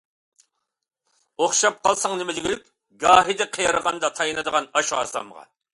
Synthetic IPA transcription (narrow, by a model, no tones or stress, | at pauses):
oχʃɑp̚qʰɑlˠsɑŋnɪmɪd͡ʒiɡʲilykʲ | ɡɑːɦid̪ɪqʰejɑɾəʁɑnd̪ɑt̪ʰɑjnɨd̪əʁɑnɑʃuɑ̰sɑ̰mʁɑ̰